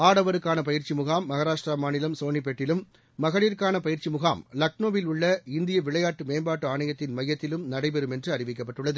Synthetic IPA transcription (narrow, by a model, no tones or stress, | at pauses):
aːɽɐʋɐɾɯkːaːnɐpɐjɪɾt͡ʃimʊɣaːmːɐɣɐɾaːʂʈramaːnɪlɐmsoːɳip̬ːɛʈːɪlɯmː | ɐɣɐɭiːɾkaːnɐpɐjɪɾt͡ʃimʊɣaːmlɐk̚noːʋɪlʊɭːɐɪnd̪ɪjɐʋɪɭɐjaːʈːɯmeːmbaːʈːɯaːɳɐjɐt̪ːɪnmɐjːɐt̪ːɪlɯmnɐɽɐɪpɛɾɯmɛndrɯɐɾɪʋɪk̬ːɐp̬ːɐʈːɯɭːɐðɯ